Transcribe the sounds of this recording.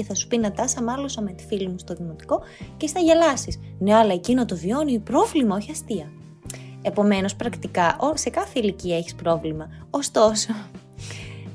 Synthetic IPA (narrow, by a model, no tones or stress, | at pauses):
eθɐsu̥pinɐt̪ɐsɐmɐlosɐme̞t̪i̥filimust̪o̞ðimot̪i̥ko̞ | cest̪ɐʝelɐsisneɐlɐecino̞t̪ovio̞nipɾo̞vlimɐo̞çiɐst̪iɐ | e̞po̞me̞no̞spɾɐkt̪ikɐʔose̞kɐθeiliciɐe̞çi̥spɾo̞vlimɐost̪o̞so̞